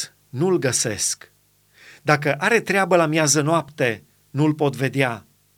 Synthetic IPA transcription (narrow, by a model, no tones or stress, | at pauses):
nulɡəse̞sk | d̪ak̬əʔaɾe̞t̪ɾeabəlamjazənoapt̪e̞ | nulpo̞t̪ve̞d̪ea